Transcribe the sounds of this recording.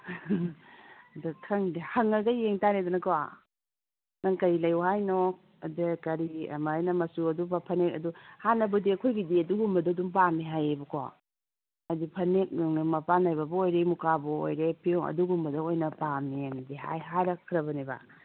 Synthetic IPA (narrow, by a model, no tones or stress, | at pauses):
datʰɐŋdihɐŋɐɡɐjeŋtaɾedɔnɐkowa̰ | nɐŋkɐjlɐjuhajnɔk̚ | ɐdekɐɾiɐ̰maːjnɐmɐsuɐdubɐpʰɐnekɐ̰duhanɐbɐdiɐkʰojɡidiɐduɡumbɐdoduŋpamiɦajebɐkʰo | ɐdipʰɐnek̚ŋnumɐpanajbɐbɐojɾemukabuo̰jɾepʰioŋɐ̰duɡumbɐdɐojnɐpamenɐdiɦa̰jɦajɾɐkʰːɾɐbɐnibɐ̰